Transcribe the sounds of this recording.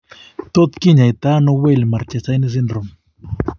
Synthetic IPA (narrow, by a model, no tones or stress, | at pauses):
t̪ot̪kɪɲajt̪anowelmaɾt͡ʃasajnɪs̬ɪnɾʊm